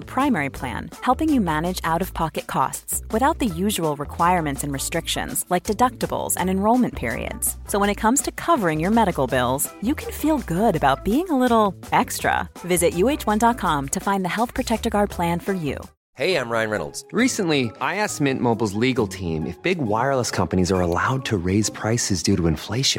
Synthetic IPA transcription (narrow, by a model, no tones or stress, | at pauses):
əpʰɹ̥ãɪ̃mɛɹipʰl̥æ̰̃nhɛlˠpɪ̃ŋjɨmænɨd͡ʒaʊɾʌv̥pʰɑkɨt̚kʰɔ̰stswɨθaʊt̪̚ðɨjʉʒəwəl̩ˠɹɨkʰw̥aɪəɹmɨ̃ntsɨ̃nɹɨstɹ̥ɪkʃɨ̰̃nz̥laɪk̚d̥ɨdʌk̚tɨbl̩ˠz̥ɨ̰̃nɨ̃nɹoʊlˠmɨ̃npʰɪ̰ɹḭɨ̰dz̥soʊwə̃ñɨt̚kʰʌ̃mz̥tʰɨkʰʌvə˞ɪ̃ŋjə˞mɛɾɨkl̩ˠbɪ̰lˠz̥jɨkʰɨ̃n̩filˠɡʊɾɨbaʊt̚b̥iɪ̃ŋəlɪɾl̩ˠɛkstɹ̥ə̰vɪzɨʔjʉeɪt͡ʃwʌ̃ndɑt̚kʰɑ̃mtʰɨfãɪ̃nðɨhɛlˠθpʰɹ̥ɨtʰɛk̚tə˞ɡɑɹd̚pʰl̥æ̃nfə˞jʉ̰ | heɪãɪ̃mɹãɪɨ̃nɹɛ̰nl̩ˠdz̥ɹisɨ̃nʔliʔaɪæsmɪ̃nʔmoʊbl̩ˠzliɡl̩ˠtʰḭ̃mɨ̰fb̥ɪɡwaɪə˞lˠəskʰʌ̃mpɨñizə˞əla̰ʊd̚tʰɨɹeɪz̥pʰɹ̥aɪsɨzdʉɾɨɨ̃ɱfleɪʃɨ̃n